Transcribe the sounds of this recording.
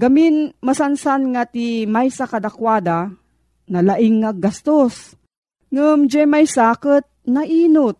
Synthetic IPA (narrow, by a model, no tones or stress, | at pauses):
ɡaminmasansanŋat̪imajsakad̪akwaːd̪a | nalaʔɪŋːaɡast̪os | ŋəmd͡ʒɛmajsaːkət̪̚naʔiːnot̪̚